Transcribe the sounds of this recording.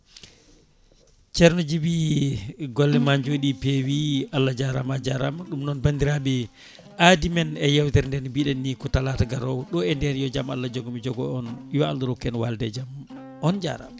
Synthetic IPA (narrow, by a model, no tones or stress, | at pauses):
t͡ʃɛɾnɔd͡ʒibi | ɡɔlːɛmaɲd͡ʒoɗipewialːad͡ʒaɾamad͡ʒaɾamaɗumnɔnbandiɾaɓɛ | ʔadimɛnɛjawtɛɾndɛnbiɗɛnːikɔtalataɡaɾɔwɗɔɛndɛɾjɔd͡ʒamalːad͡ʒɔɡɔmid͡ʒɔɡɔɔnjɔa̰ldɾɔkːɛnwaldɛd͡ʒam | ɔnd͡ʒa̰ɾa̰m